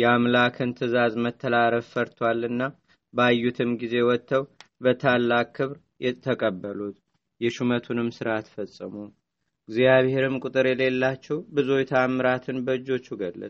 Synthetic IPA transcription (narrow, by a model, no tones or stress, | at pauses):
jɛamlakʰɨnt̪ʰɨzazmət̪ʰːəlaɾəffəɾt̪ʰwalːɨnːa | bəajːut̪ʰɨmɡize̞wɔt̪ːəwbət̪ʰalːakʼkʰːɨβɾ | ɛt̪ʰːəkʼəbːəlut̪ | jɛʃumət̪ʰunɨmsɨɾat̪fəsʼːɨmu | ɡzijaβhe̞ɾɨmkʼʊt̪ʼɨɾjɛle̞lːat͡ʃːɛwbɨzojt̪ʰamːɨɾat̪ʰɨnbəɨd͡ʒːo̞t͡ʃːuɡəlːə̰t̪ʼ